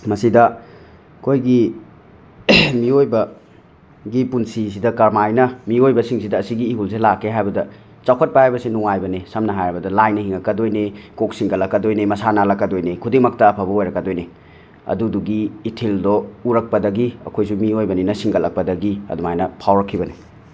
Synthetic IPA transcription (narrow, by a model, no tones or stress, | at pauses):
mɐsidɐ | ɐkʰojɡi | miojbɐ | ɡipunsis̬idɐkɐɾmajnɐmiojbɐsiŋsidɐːsiɡiːɦulselakʰːeɦajbɐdɐ | t͡ʃawkʰɐt̚pɐhajbɐsinuŋajbɐnesɐmnɐɦajɾɐbɐdɐlajnɐhiŋɐkːɐdojnekok̚siŋɡɐlɐkːɐdojnemɐsanalɐkːɐdojnekʰudiŋmɐk̚tɐːpʰabɐojɾɐkːɐdojne | ɐ̰duduɡiːtʰildɔuɾɐk̚pɐdɐɡiɐ̰kʰojsumiojbɐninɐsiŋɡɐlɐk̚pɐdɐɡiɐ̰dumajnɐpʰawɾɐkʰːibɐne